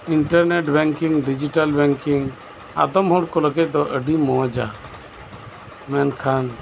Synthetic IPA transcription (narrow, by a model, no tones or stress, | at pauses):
iɳʈəɾneʈbɛ̃ŋkiŋɡɖid͡ʒiʈalbɛŋkiŋɡ | a̰d̪ɔmɦuɽkɔləɡɛc̪̚d̪ɔʔəɖimɔd͡ʒa̰ | mɛnkʰan